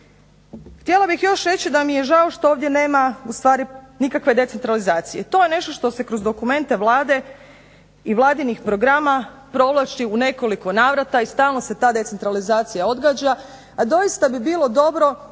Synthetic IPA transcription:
xt̪je̞lˠabixjo̞ʃɾe̞t͡ɕid̪amije̞ʒao̞ʃt̪o̞oːʋd̪je̞ne̞ːmaust̪ʋaːɾinikakʋe̞d̪e̞t̪se̞nt̪ɾalizaːt̪sije̞t̪o̞je̞ne̞ʃt̪o̞ʃt̪o̞se̞kɾo̞zd̪o̞kume̞nt̪e̞ʋlˠaːd̪e̞ | iʋlˠaːd̪inixpɾo̞ɡɾama | pɾo̞ʋlˠat͡ʃiune̞ko̞liko̞naːʋɾat̪aist̪aːlˠno̞se̞t̪aːd̪e̞t̪se̞nt̪ɾalizaːt̪sijao̞d̪ɡaːd͡ʑa | ad̪o̞jist̪abibiːlˠo̞d̪o̞bɾo̞

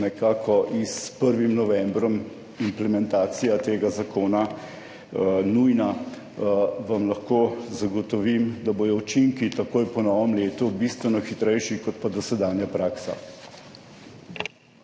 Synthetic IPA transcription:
nɛkaːkʰɔʔispəɾʋimnɔʋɛmbɾɔm | implɛmɛnt̪aːt̪sijat̪eːɡazakoːna | nujna | ʋamlɐxkozaɡɔt̪ɔʋimd̪aboːj̪ɔut͡ʃiŋkit̪ɐkoːjpɔnɔːʋəmleːt̪ubist̪ʋɛnɔxit̪ɾɛjʃikɔt̪pad̪ɔsɛd̪aːnjapɾaːksa̰

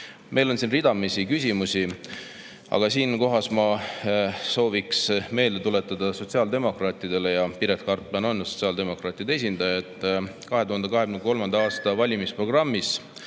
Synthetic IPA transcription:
mʔe̞jlo̞nsinrid̪ɑmisikys̬ʲimusi | ɑ̰ɡ̥ɑsiːnko̞ɦɑsmɑ | so̞ːviksme̞ːld̪et̪ule̞t̪ːˑɑd̪̥ɑso̞tsiɑːld̪e̞mo̞krɑːt̪ːˑid̪e̞le̞jɑpiɾet̪̚kɑrt̪ˑlɑno̞njuso̞t̪siɑld̪e̞mo̞kɾɑːt̪ːˑid̪ee̞s̬ʲind̪̥ɑjɑt̪ːˑkɑɦe̞t̪uhɑnd̪eɑɦe̞kymneko̞lmɑnd̪ɑɑːst̪ɑvɑlʲimispro̞ɡ̥rɑmːis

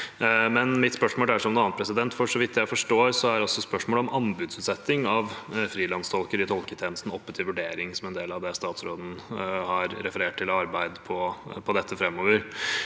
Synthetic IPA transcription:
mɛnmɪt̪spœʂmoːlæʂɔmnʊɑːnpʰɾɛsɪd̪ɛnt̪fɔʂɔʋɪt̪ːjæɪfɔʂʈoːɾsɔæɾɔsːɔspœʂmoːlɔmɑnbʉːd̪sʉːt̪sɛt̪ːɪŋɑʋfɾiːlɑnst̪ʰɔlkəɾɪt̪ʰɔlkət̪ʰeːnəst̪n̩ɔpːət̪ʰɪʋʉɖeːɾɪŋsɔmɛnd̪eːlɑʋd̪ɛst̪ɑːt̪sɾoːd̪n̩hɑɾɾɛfəɾeːʈ̚t̪ɪlɑɾbæɪd̪pʰɔpʰɔd̪ɛt̪ʰːəfɾɛmːoːʋəɾ

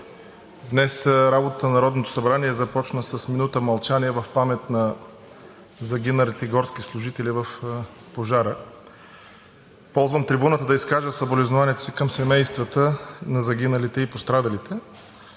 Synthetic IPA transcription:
d̪nɛsɾabot̪ət̪ənnɐɾɔd̪not̪o̥sɐbɾaniɛzɐpɔt͡ʃnəsəsminut̪əmɐlˠt͡ʃaniɛvɐfpamɛt̪nɐ | zɐɡʲinɐlit̪ɛiɡɔɾskislˠʊʒit̪ɛlivəfpoʒaɾə | pɔlˠzvəmt̪ɾibunət̪əd̪ɐiskaʒəsɐbolɛznʊvaniɛt̪osikəmsɛmɛjst̪vət̪ənɐzɐɡʲinɐlit̪ɛipost̪ɾad̪ɐlit̪ʰɛ

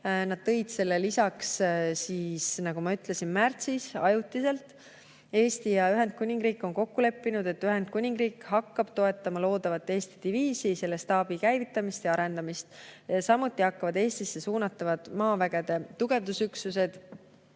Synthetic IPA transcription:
nɑd̪̥̚t̪ɤ̞jd̪̥se̞lːelisɑkssiːsnɑɡ̥umɑyt̪le̞sinmært̪sisɑ̰jut̪ːˑise̞lt̪ˑ | e̞ːst̪ijɑyɦe̞nd̪̥̚kunʲiŋɡ̥riːkːˑo̞nko̞kːule̞pːinud̪̥e̞t̪ːyɦe̞nd̪̥kunʲiŋɡriːkhɑkːɑb̥t̪o̞e̞t̪ˑːɑmɑlo̞ːd̪̥ɑvɑt̪ːe̞ːst̪i̥d̪̥iviːsise̞lːe̞st̪ɑːb̥ikæjvit̪ːˑɑmist̪jɑɑɾe̞nd̪̥ɑmist̪sɑmut̪ːˑihɑkːɑvɑd̪e̞ːst̪isːe̞suːnɑt̪ːˑɑvɑd̪̥mɑːvæɡ̥e̞d̪̥e̞t̪uɡ̥e̞vd̪usyksuse̞d̪̥

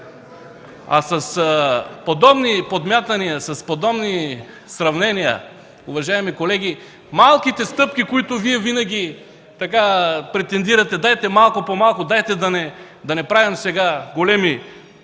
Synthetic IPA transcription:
ɐ̰sɐspod̪ɔbnipod̪mʲjat̪ɐniɐsɐspod̪ɔbni | sɾɐvnɛnijɐ̰ | ʊvɐʒaɛmikolɛɡʲi | malˠkit̪ɛst̪ɤp̚k̟ʲikoit̪ʊviɛvinɐɡʲi | t̪ɐkapɾɛt̪ɛnd̪iɾɐt̪ɛd̪ajt̪ɛmalˠkʊpomalˠkʊd̪ajt̪ɛd̪ɐnɛ | d̪ɐnɛpɾavɐmsɛɡaɡolɛmi

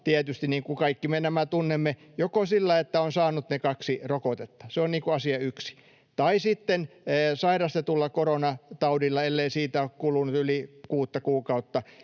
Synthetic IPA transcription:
t̪iæt̪yst̪iniːŋkukɑikːimenæmæt̪unːemːe | jokosilːɑiet̪ːæonsɑːnut̪nekɑksirokot̪et̪ːɑ̥seoniːŋkuɑsiɑyksi̥ | t̪ɑisit̪ːenːsɑirɑst̪et̪ulːɑkoronɑt̪ɑudilːɑelːeisiːt̪æokkulunut̪ylikuːt̪ːɑkuːkɑut̪ːɑ

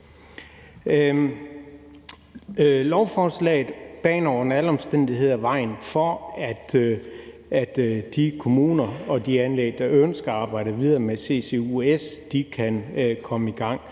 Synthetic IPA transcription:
lɒʊfɒːslɛ̰ɪð̩ˠb̥ɛ̰ːnɒʊ̰ɐenæləɒ̽msd̥en̰d̥iɦe̝ð̞̰ˠæʋɑ̈ɪ̰n̩fɒæd̥ | æd̥d̥ikʰo̝muːnɐɒ̽d̥iænleɡd̥ɑ̈ønsɡ̥ɐɑ̈ːb̥ɑ̈ɪ̰d̥əʋið̞ˠɐːmese̝se̝uesd̥ikʰænkʰɒ̽məiɡ̥ɑ̈ŋ̰

